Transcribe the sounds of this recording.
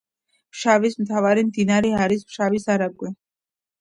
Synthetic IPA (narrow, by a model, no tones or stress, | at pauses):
pʃavismt̪ʰavaɾimd̪inaɾɛaɾismʃavisaɾaɡwɛ